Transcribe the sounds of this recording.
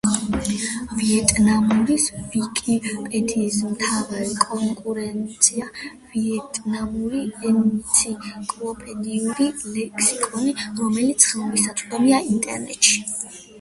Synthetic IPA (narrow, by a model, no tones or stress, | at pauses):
viɛt̪ʼnamuɾisvikʼipʼɛt̪ʰismt̪ʰavaɾɛkʼɔŋkʼuɾɛnt̪sʰia | viɛt̪ʼnamuɾiɛnt̪sʰikʼlˠɔpʼɛd̪iuɾilɛkʰsikʼɔniɾɔmɛlit̪sʰχɛlˠmisat̪sʼqʼɛliaint̪ʼɛ̰ɾnɛ̰t̪ʼʃi̥